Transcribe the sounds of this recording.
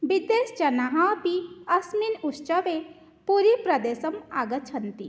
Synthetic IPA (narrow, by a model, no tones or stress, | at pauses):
bid̪eːsd͡ʒɐnaɦãbiɐsminust͡ʃɐʋe | puɾipɾɐd̪eːsɐmaːɡɐt͡ʃʰɐnt̪i